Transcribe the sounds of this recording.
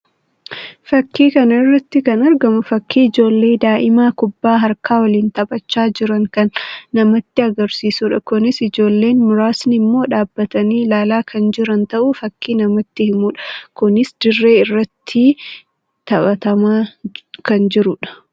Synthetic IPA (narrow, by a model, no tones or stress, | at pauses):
fɐkːiːkɐnɐɪrːɐt̪ːɪkɐnɐɾɡɐmʊfɐkːiːɪd͡ʒo̞ːlːe̞ːd̪aːʔɪmaːkʊbːaːɦɐɾkaːwɐliːnt̪ɐbʼɐt͡ʃːaːd͡ʒɪɾɐŋkɐnːɐmɐt̪ːɪɐɡɐɾsiːsuːᶑɐkʊnɪsɪd͡ʒo̞ːlːe̞ːnmʊɾaːsnɪmːo̞ːᶑaːbːɐt̪ɐniːlaːlaːkʰɐnd͡ʒɪɾɐnt̪ɐʔuːfɐkːiːnɐmɐt̪ːɪhɪmuːᶑɐ̥kʊnɪsd̪̥ɪrːe̞ːɪrːɐt̪ʰːɪ | t̪ɐbɐt̪ɐmaːkɐnd͡ʒɪɾʊᶑɐ̥